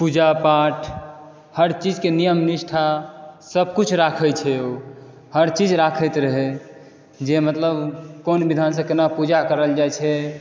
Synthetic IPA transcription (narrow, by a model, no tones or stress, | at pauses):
pud͡ʒapaʈʰ | həɾt͡ʃid͡ʒkenijəmniʃʈʰasəbʱkut͡ʃʰɾakʰəjt͡ʃʰɛo | həɾt͡ʃid͡ʒɾakʰəjt̪ɾəɦe | d͡ʒemət̪ləbkonbid̪ʱans̬ə̃kenapud͡ʒakəɾəld͡ʒajt͡ʃʰɛ